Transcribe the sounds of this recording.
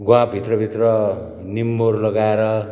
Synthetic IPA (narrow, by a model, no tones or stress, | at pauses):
ɡwabʱit̪rʌbʱit̪rʌ | nimːorlʌɡaeɾʌ